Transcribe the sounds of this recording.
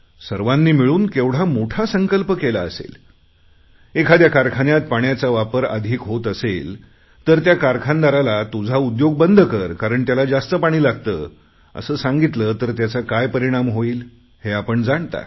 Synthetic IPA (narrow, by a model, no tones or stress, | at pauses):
səɾʋanːiːmiɭuːnkeʋɽ̤amoʈʰasəŋkəlpəkelaəsḛl | ekʰad̪jakaɾkʰanjat̪̚paɳjat͡saʋapəɾə̰d̪ʱiːkɦot̪əsel | t̪əɾt̪jakaɾkʰand̪aɾalat̪ud͡zʱaud̪joɡ̚bənd̪ʱəkəɾkaɾəɳt̪jalad͡zast̪əpaɽ̃iːlaɡ̚t̪ə̰ː | ə̰səːsaŋɡit̪lət̪əɾt̪jat͡sakajpəɾiɽ̃amɦoiːl | heapəɳd͡zaɳt̪a̰